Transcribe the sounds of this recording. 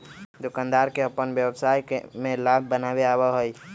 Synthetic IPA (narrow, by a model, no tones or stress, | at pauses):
d̪ʊkãːnd̪aːɾkeəpənwjəbsaːjkmẽlab̚ʱbənaweaːbaɦoi